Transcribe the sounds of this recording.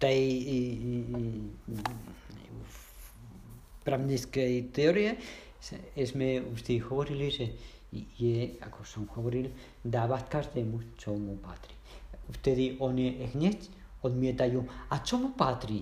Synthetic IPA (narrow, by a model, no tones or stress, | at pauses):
t̪ai | pɾamniskeit̪eoɾia | sesmeust̪efoβoɾilise | iea̰kosonxaβoɾil | d̪aβast̪̚kaɾd̪emust͡ʃomupat̪ɾi | ust̪eðiʔoneʔexɲet͡ʃ | onmiet̪ajuat͡ʃomupat̪ɾi